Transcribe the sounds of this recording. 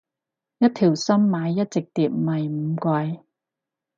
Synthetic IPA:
jɐ˥t̚t̪ʰiː˨˩wsɐ˥mːaː˨˧jːɐ˥t̚t͡sɪ˨k̚t̪iː˨˧p̚mɐ˨˩jm̩˨˧˦kɐː˧j

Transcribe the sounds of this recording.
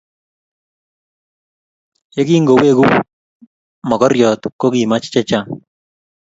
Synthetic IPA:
e˦ɡi˦ŋɡo˨we˦ɡu˦ | mɔ˨ɡɔ˦ɾjɔ˨t̪ko˦ɡi˨ma˦t͡ʃt͡ʃɛ˦t͡ʃa

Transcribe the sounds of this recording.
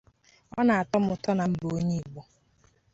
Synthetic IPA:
ɔ˦na˨a˨tɔ˦mʊ˨tɔ˦na˨m̩˦bo˦ɲe˦˨ɡ͡bo˦

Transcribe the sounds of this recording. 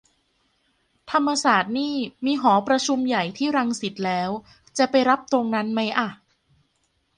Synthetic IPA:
t̪ʰa˧mːa˧saː˨˩t̪̚niː˥˩miː˧ɦɔː˩˦pɾa˧t͡ɕʰu˧mja˨˩jt̪ʰiː˥˩ɾa˧ŋsi˨˩t̪̚lɛː˦˥w | t͡ɕa˨˩pa˧jɾa˦˥p̚t̪ɾo˧ŋna˦˥nma˦˥jʔa˨˩

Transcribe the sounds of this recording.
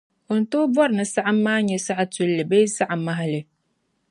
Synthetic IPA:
o˨n̩˨toː˦bɔ˦ɾɨ˨nɨ˨sa˦ʔa˦m̩ː˦aː˦ɲɛ˨sa˦ʔa˦tu˦lːɨ˨be˦sa˦ʔa˨ma˦ɦa˦lɨ˨

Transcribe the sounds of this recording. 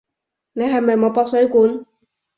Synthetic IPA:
ne˨˧jɦɐ˨jmɐ˨jmo˨˧wpɔː˧k̚sɵ˨˥ɥkuː˨˥n

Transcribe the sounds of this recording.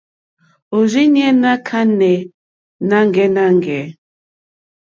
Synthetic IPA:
o˨zi˦n˦ɛ˦na˦kʰa˦nɛ˨ | na˦ŋ˨ɡɛ˦na˦ŋ˨ɡɛ˨˦

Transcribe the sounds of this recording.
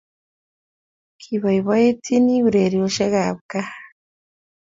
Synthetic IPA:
kʰiβa˨iβa˦je˦tʰi˦ni˦βu˨ɾe˨ɾio˨ʃe˦ɣaβka˦

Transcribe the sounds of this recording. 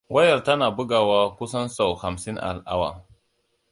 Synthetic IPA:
wʔa˦jɐ˨ɾta˦na˨bu˦ɡa˨wa˦kʷu˦sɐ˦nsa˨wha˨msi˦nʔa̰˨lʔa̰˦wa̰˨

